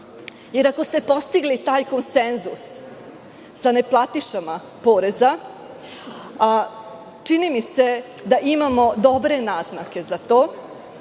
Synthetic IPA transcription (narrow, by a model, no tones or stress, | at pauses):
jeɾako̞st̪e̞po̞st̪iɡlit̪aːjko̞nsenzṵs | ane̞plˠat̪iʃama | po̞ːɾe̞za | t͡ʂinimise̞ | d̪aʔimamo̞d̪o̞bɾe̞naːznake̞zat̪o̞ː